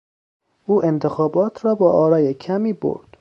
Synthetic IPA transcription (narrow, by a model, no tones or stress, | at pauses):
ʔuːʔe̞nt̪ʰe̞xɒːbɒːt̪ʰɾɒːbɒːɒːɾɒːjecʰæmiːbo̰ɾd̪̥